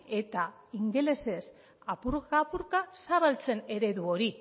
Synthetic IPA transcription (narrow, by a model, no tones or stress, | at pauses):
e̞t̪a | iŋɡele̞se̞s | apuɾɣɣapuɾkasaralt͡se̞ne̞ɾe̞ðuo̞ɾi